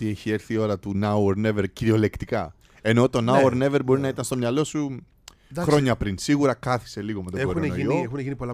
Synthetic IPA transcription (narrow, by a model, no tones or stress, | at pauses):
t̪ie̞çie̞ɾθio̞ɾɐt̪unɐuoɾne̞ve̞ɾciɾio̞le̞kt̪ikɐ | e̞no̞t̪o̞nɐuoɾne̞ve̞ɾbo̞ɾinɐit̪ɐnst̪o̞mɲɐlo̞su | xɾɾo̞ɲɐpɾinsiɣuɾɐkɐθi̥se̞liɣo̞me̞t̪oeɡonenoioexuneʝinipolɐ